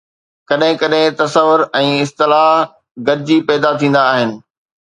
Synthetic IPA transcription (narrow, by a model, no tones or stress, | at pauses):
kɐɗɦɪ̃kɐɗɦɪ̃t̪ɐsəʋʊɾɛ̃ːɪst̪ɪlaːɦ | ɡɐɾɪd͡ʑiːpɛːd̪at̪ʰĩːn̆d̪aːɦɪnɪ̆